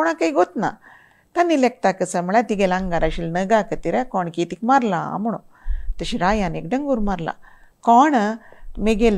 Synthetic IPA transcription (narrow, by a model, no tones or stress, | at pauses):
ɔɽ̃akaiɡot̪na̰ | t̪anːilek̚t̪akəsəmɭat̪iɡelãŋɡaɾaɕilnəɡakət̪iɾɛkɔɳkit̪ikmaɾlaa̰mɽ̃o | t̪əɕiɾajanek̚ɖəŋɡuɾmaɾla̰kɔɳmiɡel